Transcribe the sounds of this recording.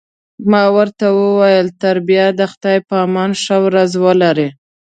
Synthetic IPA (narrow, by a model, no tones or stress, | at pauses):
mɑwəɾt̪awəwajəlt̪aɾbijad̪əxt̪ɑjpəɑmɑnʃawɾazwəlaɾe